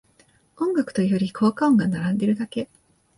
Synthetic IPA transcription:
õ̞ŋɡakɯ̟t̪o̞ijo̞ɾʲikʰo̞ːkaõŋɡanaɾãnd̪e̞ɾɯ̟d̪ake̞

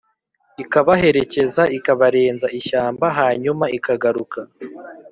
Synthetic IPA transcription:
ikaβaɦe̞ɾe̞ce̞zaikaβaɾe̞ːnzaʔiʃaːmbaɦaːɲumaikaɡaɾuka

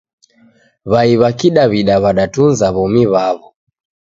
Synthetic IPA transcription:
βaiβakiɗaβiɗaβaɗatunzaβɔmiβaβɔ

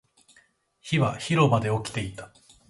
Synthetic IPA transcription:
çiβaçiɾo̞mad̪e̞o̞kʲi̥t̪e̞it̪ḁ

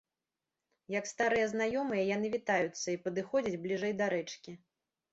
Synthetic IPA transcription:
jɐkst̪aɾɨjɐznajɔmɨjɐjanɨvʲit̪ajut̪sːɐipɐd̪ɨxɔd͡zʲɐd͡zʲblʲiʐɛjd̪ɐɾɛt͡ʂkʲi

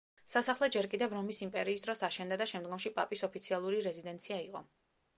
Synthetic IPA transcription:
sasaχlˠɛd͡ʒɛɾkʼid̪ɛvɾɔmisimpʼɛɾiːsd̪ɾɔsaʃɛnd̪ad̪aʃɛmd̪ɡɔmʃipʼa̰pʼisɔpʰit̪sʰialˠuɾiɾɛzid̪ɛnt̪sʰiaiqʼɔ

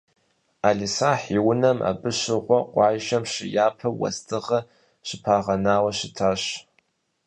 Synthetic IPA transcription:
aːɮisaːħiwʊnɐmʔa̰bɨɕɪʁʷɔqʷɑːʒɐmɕɪjaːpʰɐwɐ̰stʰɨʁɐ | ɕɪpʰaːʁɐnaːwɐɕɪtʰaːɕ

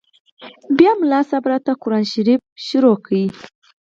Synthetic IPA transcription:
bjɑmlɑsabɾat̪akʊɾɑnʃaɾif̚ʃʊɾokʰawi

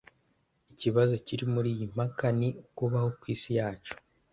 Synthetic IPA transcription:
iciβazo̞ciɾimuɾiːjim̥akanikuβaho̞kwiːsijaːt͡ʃo̥

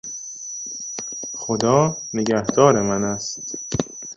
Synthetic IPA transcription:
xod̪ɒːneɟæhd̪̥ɒːɾemænæst̪

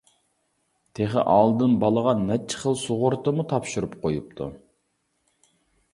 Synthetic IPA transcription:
t̪ʰeχə̰ʔɑlˠd̪ɨnbɑlˠəʁɑnnːɛt͡ʃʰɪ̥χəlˠsoʁʊɾt̪əmut̪ʰɑpʃuɾupqʰojup̚t̪ʰṵ

